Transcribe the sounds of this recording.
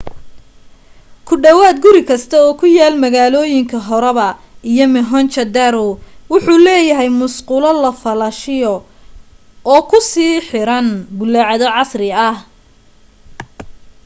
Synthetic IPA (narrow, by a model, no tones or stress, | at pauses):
kʰʊɖɐwaːd̪̚ɡʊɾɪkʰɐst̪ʰɐɔːkʰʊjaːlmɐɣaːlɔːjɪŋkʰɐɦɔɾɛβɐijɔmɪɦɔnt͡ʃɐd̪ɐɾʊwʊħuːlɛːjɐɦɛjmʊsqʊlɐlɐfɐlɐʃɪjɔ | ɔːkʰʊsiːħɪɾɐnbʊlːaʕɑðɔʕɑsrɪɐh